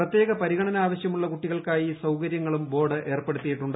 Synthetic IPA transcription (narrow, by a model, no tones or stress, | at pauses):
rɐt̪ːje̞ːɣɐpɐɾiɣɐɳɐnɐaːʋɐɕjɐmuɭːɐkuʈːiɣɐɭkaːjisɐwkɐɾjɐŋːɐɭumbo̞ːɽɨʔe̞ːrpe̞ɽut̪ːijiʈːuɳɖɨ